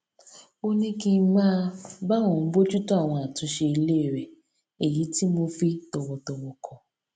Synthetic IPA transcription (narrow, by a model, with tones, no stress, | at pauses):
o˦nĩ˦kĩ˧˦mãː˦ba˦w̃ɔ̃˨˦bo˦d͡ʒu˦tɔ˦a˦˨w̃ɔ̃˧a˨tũ˨˧˦ʃe˧i˧le˦˨ɾɛ˨ | e˨ji˨˦ti˦mo˧fi˦tɔ˧wɔ˧tɔ˧wɔ˧kʰɔ̃˧